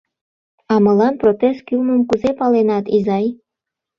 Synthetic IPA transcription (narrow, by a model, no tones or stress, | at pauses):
ɑmɤlɑnprot̪est̪̚kylməmkuzepɑlenɑt̪izɑj